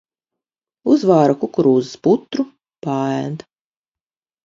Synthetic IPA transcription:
uzvaːɾakukɾuːzɨ̥sput̪ɾu | paːɛnt̪

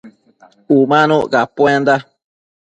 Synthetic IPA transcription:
umãnõɣapwẽnd̪a

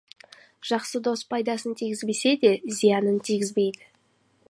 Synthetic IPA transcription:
ʒ̥ɑqsəd̪o̞spʰɑjd̪ɑsənt̪ʰiɡʲɪzbese̞d̪e̞zijɑnənt̪ʰiɡʲɪzbe̞jd̪ɪ

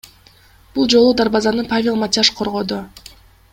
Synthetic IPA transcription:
b̥ulˠd͡ʒo̞lˠud̪aɾbazɑnɯpavʲelˠmatʲaʃqʰo̞ɾʁo̞d̪u

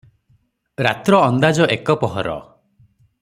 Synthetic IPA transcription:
ɾat̪ɾɔːnd̪ad͡ʒɔʔekɔpɔɦɔɾɔ̰

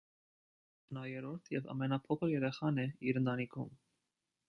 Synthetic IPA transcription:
nɑjɛɾɔɾt̪ʰjɛvɑ̰mɛnɑpʰɔkʰəɾjɛɾɛχɑnɛiɾənt̪ɑnikʰum

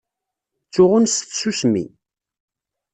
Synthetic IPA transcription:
t͡sːʊʁʊnsθsusmḭ

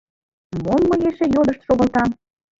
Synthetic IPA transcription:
monmɤjeʃejod̪əʃt̪ʃoɣə̆lt̪ɑm

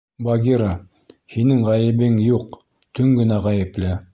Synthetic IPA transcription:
bɑɡʲiɾɑ | hinɘŋʁæjɘ̆βɘŋjuq | t̪ɵŋɡɘ̆næʁæjɘ̆plɘ

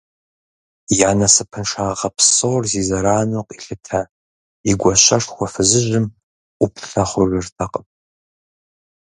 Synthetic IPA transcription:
janasɨpʰɨnʂaʁapʰsorzizaɾaːnoqʼiɬɨtʰa | iɡʷaʃʷaʂxʷafɨzɨʒʷɨmʼ | upʰɬaχʷʊrʒʷʊrtʰaqʼəm

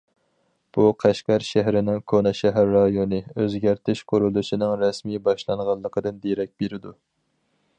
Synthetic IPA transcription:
b̥uqʰæʃkʲæɾʃæɦɾɪnɪŋkʰonɑʃɛɦæɾːɑjonɨøzɡʲæɾt̪ʰɪʃqʰʊɾulˠuʃinɨŋɾɛsmibɑʃlˠɑɴʁɑlˠːəqʰəd̪ɨnd̪eɾɛk̚ʲbeɾɪd̪u

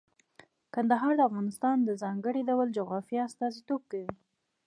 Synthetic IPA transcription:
kand̪aɦɑɾd̪əafɣɑnɪst̪ɑnd̪əzɑŋɡəɽidawald͡ʒoɣɾɑfjiast̪ɑzit̪ob̚kawi

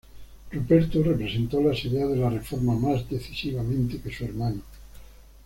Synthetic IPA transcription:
rupeɾt̪urepɾesent̪olasiðeaðelarefoɾmamazd̪eθisiβamẽnt̪ekesueɾmano

